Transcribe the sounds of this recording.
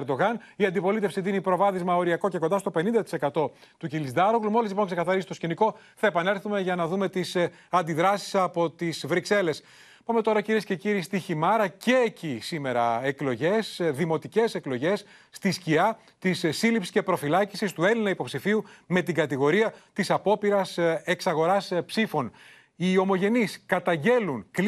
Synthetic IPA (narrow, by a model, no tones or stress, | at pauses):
ɾd̪o̞ɣɐniɐnd̪ipo̞lit̪efsid̪inipɾo̞vɐðizmɐo̞ɾiɐko̞ceko̞nd̪ɐst̪o̞pe̞nind̪ɐt̪i̥se̞kɐt̪o̞ | t̪ucilizd̪ɐɾoɣlumo̞lizlipo̞ŋkse̞kɐθɐɾizi̥st̪o̞sciniko̞ | θɐe̞pɐne̞ɾθume̞ʝɐnɐðume̞t̪is | ɐnd̪iðɾɐsi̥sɐpo̞t̪isvɾikse̞le̞s | pɐme̞t̪o̞ɾɐciɾie̞sce̞ciɾiːst̪içimɐɾɐce̞ːcisime̞ɾɐeklo̞ʝe̞sðimo̞t̪ice̞se̞klo̞ʝe̞sː | t̪isciɐ | t̪issilipsi̥sce̞pɾo̞filɐcisist̪ue̞linɐipo̞psifiume̞t̪iɡɐt̪iɣo̞ɾiɐt̪isɐpo̞piɾɐse̞ksɐɣo̞ɾɐspsifo̞n | io̞mo̞ʝe̞niskɐt̪ɐɲɟe̞lunk